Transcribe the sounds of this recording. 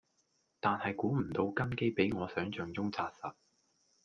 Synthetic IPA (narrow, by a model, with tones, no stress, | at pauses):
t̪aː˨nhɐ˨jkuː˨˥m̩˨˩t̪o˧wkɐ˥nke˥jpe˨˥jŋɔː˨˧sœː˨˥ŋt͡ʃœː˨ŋt͡sʊ˥ŋt͡saː˧t̚sɐ˨t̚